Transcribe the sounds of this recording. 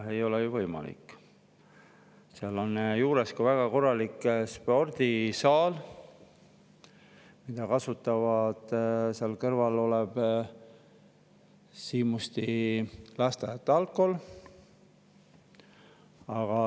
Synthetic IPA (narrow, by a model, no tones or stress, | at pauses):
e̞jo̞lejuvɤjmɑ̰lḭkːˑ | seɑlo̞njuːɾe̞skuvæɡ̥ɑko̞rːɑlikspo̞rd̪̥isɑːl | mid̪̥ɑkɑsut̪ːˑɑvɑd̪̥seɑlkɤrvɑlo̞leb̥ | siːmust̪ilɑst̪ejɑt̪ːˑɑlkːˑo̞l | ɑɡ̥ɑ